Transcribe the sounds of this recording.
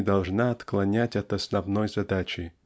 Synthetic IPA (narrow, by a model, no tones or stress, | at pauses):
d̪ɐlˠʐnaɐt̪klˠɐnʲætʲɐt̪ɐsnɐvnojzɐd̪at͡ʃɪ